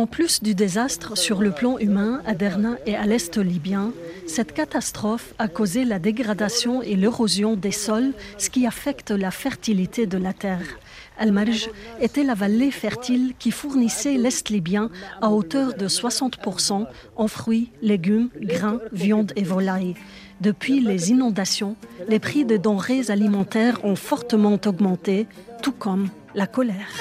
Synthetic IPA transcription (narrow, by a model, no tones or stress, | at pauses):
ɑ̃plysd̪yd̪ezast̪χəsyʁləplɑ̃ʔymɛ̃ad̪ɛʁnɛ̃ʔealɛst̪libjɛ̃sɛt̪kat̪ast̪χɔfakozelad̪eɡʁad̪asjɔ̃eleʁozjɔ̃d̪esɔlsə̥kʲiafɛkt̪lafɛʁt̪ilit̪ʰed̪əlat̪ɛːʁ | almaɾʒet̪ɛlavalefɛʁt̪ilkʲifuʁnisɛlɛst̪libjɛ̃aot̪œʁd̪əswasɑ̃t̪puʁsɑ̃ | ɑ̃fχɥileɡʲymɡʁɛ̃vjɑ̃d̪evɔlaj | d̪əpɥilezinɔ̃d̪asjɔ̃lepχid̪əd̪ɑ̃ʁezalimɑ̃t̪ɛʁɔ̃fɔʁt̪əmɑ̃t̪ɔɡmɑ̃t̪et̪ukʰɔm | lakɔlɛːʁ